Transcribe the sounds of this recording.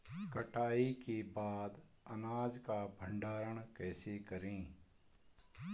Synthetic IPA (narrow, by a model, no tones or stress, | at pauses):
kəʈaːikibaːd̪ | ənaːd͡ʒkabʱə̃ɳɖaːɾəɳkɛːsekəɾĩː